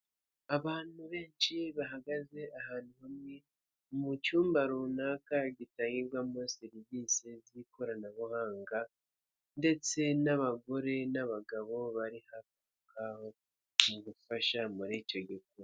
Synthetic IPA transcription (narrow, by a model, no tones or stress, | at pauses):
aβaːn̥huβe̞ːnt͡ʃiβaɦaɡaze̞ʔaɦaːnuhamŋe | mut͡ʃuːmbaɾunakaɟitaːŋɡiɾɡwamoseɾivisizikoɾanaβuhaːŋɡa | nde̞t͡se̞naβaɡo̞ɾe̞naβaɡaβo̞βaɾihaku | kʰaho | muɡufaʃamuɾiːco̞ɟik̚uɾo